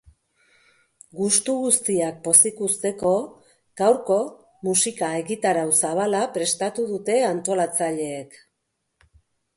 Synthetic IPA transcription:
ɡust̪uɣust̪iak̚po̞sikust̪e̞ko̞ | ɡ̥awɾko̞ | musikae̞ɣit̪aɾawsaβ̞alapɾe̞st̪at̪uðut̪e̞ant̪o̞lat͡saʎe̞ːk

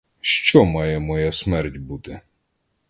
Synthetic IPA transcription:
ʃt͡ʃɔmɑjɛmɔjasmɛrtʲbut̪ɪ

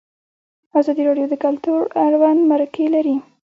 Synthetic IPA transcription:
azɑd̪iɾɑɖjod̪əkalt̪uɾaɾwanmaɾakelaɾi

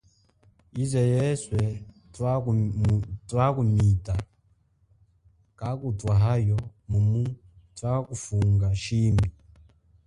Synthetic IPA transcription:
izɛjɛswɛ | t | twakumita | kakutwaɦajɔmumu | twakufuŋɡaʃimi

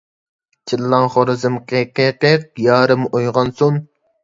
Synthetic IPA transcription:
t͡ʃʰilːɑŋχoɾɨzɨmqʰeqeqeq̚jɑːɾɨmojʁɑnsun

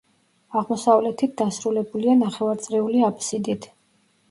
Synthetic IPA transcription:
aʁmɔsavlɛt̪ʰit̪̚d̪asɾulɛbulianaχɛvaɾt̪sʼɾɛuliapʰsid̪it̪ʰ

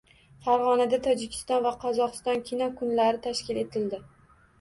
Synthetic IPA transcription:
faɾʁɒnad̪at̪ʰɒd͡ʒɪkʲʰɪ̥st̪ɒnvaqʰɒzɒqɨ̥st̪ɒnkʲʰɪnɒkʰʊnlaɾɪt̪ʰaʃkʲɪle̞t̪ʰɪld̪ɪ

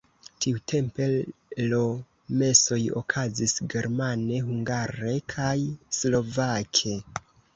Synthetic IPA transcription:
tʰiutʰe̞mpe̞lo | me̞so̞jo̞̰kʰazisɡe̞ɾmane̞ɦuŋɡaɾe̞kʰajslo̞vakʰe̞

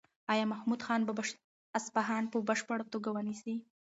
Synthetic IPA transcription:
ɑjɑmahmud̪xɑnbabaʃ | aspaɦɑnpəbəʃpəɽat̪oɡawənisi

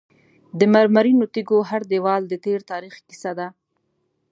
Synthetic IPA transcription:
d̪əmaɾmaɾinot̪iɡoɦaɾd̪ewɑld̪ət̪eɾt̪ɑɾixki̥sad̪a

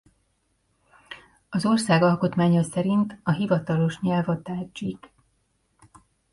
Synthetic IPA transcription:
ɒzo̞rsaːɡɒlkot̪maːɲɒsɛɾint̪ɒɦivɒt̪ɒlo̞ʃɲɛlvɒt̪aːd͡ʒik

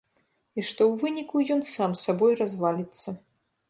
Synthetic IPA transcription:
iʂt̪ɔwvɨnʲikujɔnsamsabɔjrazvalʲit̪sːɐ

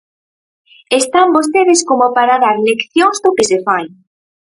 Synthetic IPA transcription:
est̪ambost̪eðeskomopaɾaðaɾlekθjoŋzðʊkesefaj

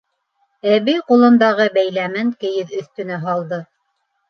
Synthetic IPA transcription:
æβijqulˠɤ̆nd̪ɑʁɤbæjlæmɘŋkɘ̆jɘðɵ̆θt̪ɵ̆næɦɑlˠd̪ɤ

